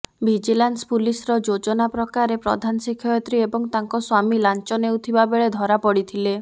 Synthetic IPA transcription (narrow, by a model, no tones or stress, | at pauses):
bʱid͡ʒilanspulisɾɔd͡ʒod͡ʒɔnapɾɔkaɾepɾɔ̰d̪ʱanɔsikʰːɔjɔt̪ɾiebɔŋt̪aŋkɔswamilant͡ʃɔnewt̪ʰibabeɭed̪ʱɔɾapɔɽit̪ʰile